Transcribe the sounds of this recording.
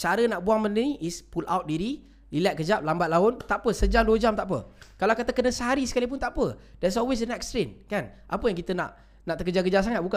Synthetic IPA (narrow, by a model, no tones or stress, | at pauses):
t͡ʃaɾənaʔbuaŋmənəiispulʔa̰wt̪̚diɾi | lilat̪̚kəd͡ʒap̚lambat̪̚laʊnt̪aʔpəsəd͡ʒamduəd͡ʒamt̪aʔp̬ə̰kalaakat̪akənəsəɦaɾisəkalip̬ʊnt̪aʔpədɛts̬ɔlwes̬dənɛkst̪ɾinkanʔapəjaŋkit̪əna̰ʔ | naʔt̪əkəd͡ʒak̬əd͡ʒas̬aŋat̪̚buka